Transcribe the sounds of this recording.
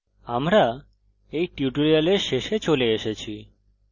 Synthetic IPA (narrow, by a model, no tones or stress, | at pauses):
amɾa | ejʈjuʈoɾialeɾʃeʃet͡ɕoleeʃet͡ɕʰi